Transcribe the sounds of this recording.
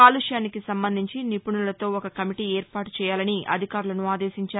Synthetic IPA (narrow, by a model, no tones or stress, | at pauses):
aːluʂjaːnikisɐmbɐnd̪ʱiɲt͡ʃinipuɳulɐt̪o̞ːɔkɐkɐmiʈiːeːɾpaːʈu̥t͡ʃɛːjaːlɐniʔɐ̰d̪ʱikaːɾulɐnuaːd̪eːʃiɲt͡ʃaːɾ